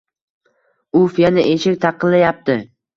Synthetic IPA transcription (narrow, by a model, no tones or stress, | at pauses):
ʊfijanɪʔeʃɪk̚ʲt̪ʰɑqʰːɨllːajap̚t̪ɪ